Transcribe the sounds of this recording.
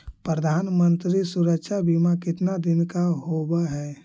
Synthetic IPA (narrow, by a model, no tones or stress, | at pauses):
pɾəd̪ʱaːnmə̃nt̪ɾisuɾəkʃabʱimakɪt̪nad̪ɪnkaɦobaɦɛː